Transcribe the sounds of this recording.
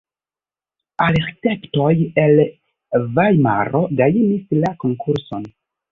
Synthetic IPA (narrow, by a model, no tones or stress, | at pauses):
aleɾtekto̞je̞l | vajma̰ɾo̞ɡajinislako̞ŋkʰuɾso̞n